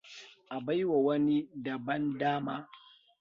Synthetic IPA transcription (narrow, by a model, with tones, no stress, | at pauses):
ʔa˨ba˦jwa˨wɐ˦ni˦dɐ˨bɐ˦ndaː˦maː˦